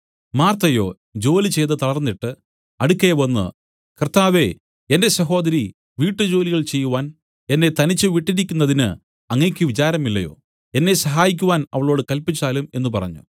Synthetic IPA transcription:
maːrt̪ɐjoː | d͡ʑo̞ːlit͡ɕe̞jt̪ɨt̪ɐɭɐrnːiʈːɨ | ɐɽukʲːeʋɐnːɨ̰ | krt̪ːaːʋe̞ | ende̞sɐɦo̞ːd̪ɐɾi | ʋiːʈːɨd͡ʑo̞ːliɣɐɭt͡ɕe̞jːuʋaːn | e̞nːe̞t̪ɐnit͡ɕːɨʋiʈːiɾikʲːunːɐðinɨ | ɐŋːeːkʲːɨʋit͡ɕaːɾɐmilːɐjo̞̰ː | e̞nːe̞sɐɦaːjik̬ʲːuʋaːnɐ̰ʋɐɭo̞ːɽɨkɐlpit͡ɕːaːlume̞̰nːupɐrɐ̰ɲːṵ

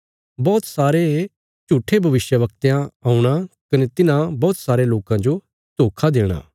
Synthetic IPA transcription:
bɔːt̪saːɾe | t͡ʃuːʈʰebʱɐʋɪʃjəʋɐkt̪jãaːuɽ̃akɐnet̪ɪnãbɔːt̪saːɾeloːkãd͡ʒo | t̪oːkʰad̪eːɽ̃a̰ː

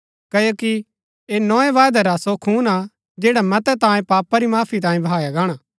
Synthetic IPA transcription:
kɐjoːki | enɔːẽʋaːd̪ɛɾasokʰuːna | d͡ʒeːɽamɐt̪ɛt̪ãːjẽpaːpaɾimaːpʰit̪̬ãːjẽbʱaːjaɡaːɽ̃aː

